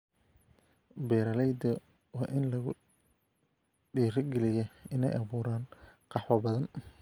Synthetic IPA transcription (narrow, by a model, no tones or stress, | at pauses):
bɛːɾɐlɛjd̪ɐ | wɑːʔɪnlɐɣʊ̰ | ɖiːɾɪɡɛlɪjɛɪnɛ̰jʔɐβuːɾaːnqɑħwɐbɐðɐn